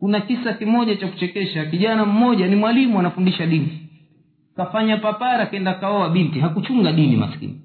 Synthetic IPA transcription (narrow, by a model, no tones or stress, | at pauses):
kunakisakimɔʄat͡ʃaku̥t͡ʃɛkɛʃakiʄanam̩mɔʄanimwalimuanafundiʃaɗini | kafaɲapapaɾakɛndakaɔwaɓintiɦakut͡ʃuŋɡaɗinḭma̰skḭni